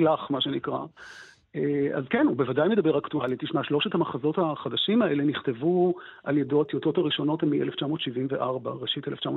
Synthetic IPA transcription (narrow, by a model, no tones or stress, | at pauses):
laχmaʃenikʁa̰ | ea̰zkenubevadajme̞d̪abe̞ʁaktualitiʃmaʃlo̞ʃethamaχazo̞thaχadaʃimae̞le̞niχte̞vuʔaljedo̞t̪joto̞taʁiʃo̞no̞tmiʔeleft͡ʃamo̞ːt̪ʃivimveʔaʁbaʁeʃiteleft͡ʃamo